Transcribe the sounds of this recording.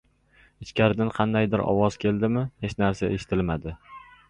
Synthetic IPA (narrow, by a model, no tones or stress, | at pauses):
ɪt͡ʃkʲaɾɪd̪ɪnqʰɑnd̪ajd̪ɪɾɒ̰wɒzkʲʰe̞ld̪ɪmɪhet͡ʃnaɾsaʔeʃɪ̥t̪ʰɪlmad̪ɪ